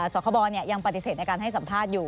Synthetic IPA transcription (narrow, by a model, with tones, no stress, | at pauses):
sɔː˩˦kʰɔ˧bɔː˧ni˥˩ɐja˧ŋpa˨˩t̪i˨˩seː˨˩na˧jkaː˧nɦa˥˩jsa˩˦mpʰaː˥˩t̪̚juː˨˩